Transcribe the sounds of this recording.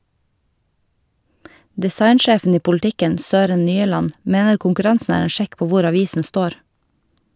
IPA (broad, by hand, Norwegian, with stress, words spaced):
dɪˈsɑɪnˌʃeːfn̩ ˈiː pʊlˈtɪkən ˈsøːɾən ˈnyːəlɑn ˈmeːnəɾ kʊŋkʉˈɾɑnsn̩ ˈæːɾ ˈeːn ˈʃɛk ˈpoː ˈʋʊɾ ɑˈʋiːsn̩ ˈstoːɾ